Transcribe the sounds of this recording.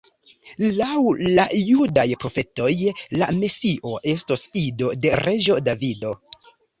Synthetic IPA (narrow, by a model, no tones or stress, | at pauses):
lawlajudajpɾo̞fe̞to̞jlame̞siʔo̞ʔe̞stosido̞de̞ɾe̞d͡ʒo̞davido̞